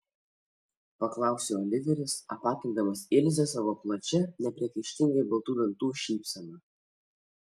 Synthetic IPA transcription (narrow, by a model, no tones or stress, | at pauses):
pɐklˠɑˑʊsʲeɔlʲɪʋʲɛɾʲɪsɐ̰pɑːk̪ʲɪŋd̪ɐmɐsɪlʲzʲɛsɑʋoplˠɐt͡ʃʲɛnʲɛpʲɾʲiɛkʲɐɪʃʲt̪ʲɪŋʲɡɐɪbɐlˠt̪uːʋʲɛnt̪uːʃʲiːpʲsʲɛnɐ